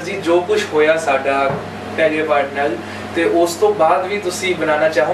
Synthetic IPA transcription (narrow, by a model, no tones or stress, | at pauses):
d͡ʒiːd͡ʒoːkʊt͡ʃʰɦoːjaːsaːɖaː | pɛːleːpaːɖnəl | t̪eːʔʊst̪õːbaːd̪ʋiːt̪ʊsĩːbənaːnaːt͡ʃaːɦo